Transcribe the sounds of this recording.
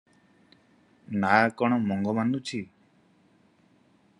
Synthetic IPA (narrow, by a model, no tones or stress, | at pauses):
nakɔɽ̃ɔmɔŋɡɔmanut͡ʃʰi